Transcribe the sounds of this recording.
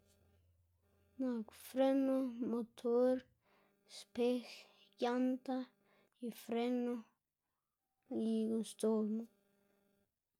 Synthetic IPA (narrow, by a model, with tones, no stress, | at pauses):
na˨kfɾe˦no˦mo˨t̪ʰo˦ɾ | spe˦x | ja˦nt̪a˦ | i˨fɾe˦no˦ | i˨ɡost̪o˨mo˦